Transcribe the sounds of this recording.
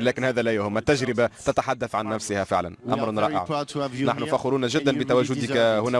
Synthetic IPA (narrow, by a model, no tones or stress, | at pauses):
læːkɪnhæːðælæjʊhʊmːæt̪ːaʒɾɪbat̪at̪aħad̪ːaθʕanːæfsɪhæfɪ̰ʕla̰nʔɑ̰mɾˤnɾˤɑ̰ːʔɪ̰ʕnaħnufaxʊɾuːnaʒɪd̪ːanbɪt̪awæːʒʊd̪ɪkhʊnæː